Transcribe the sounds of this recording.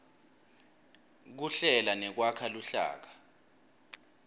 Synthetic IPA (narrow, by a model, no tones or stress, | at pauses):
k̬uɬɛlanɛk̬wakʰaluɬa̰ːk̬ḁ